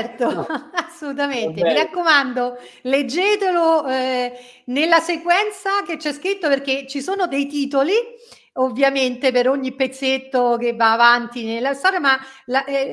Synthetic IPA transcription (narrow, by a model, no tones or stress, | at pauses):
rt̪oasːolut̪̬ament̪emiɾakːomand̪o | led͡ʒːet̪elo | nelːasekwɛnt̪sak̟et͡ʃːɛskɾit̪ːoperk̟et͡ʃːisoːnod̪ejt̪iːt̪oli | ovːjament̪epeɾoɲːipːet̪sːet̪ːok̟evːaːvant̪inelːast̪ɔːɾjamala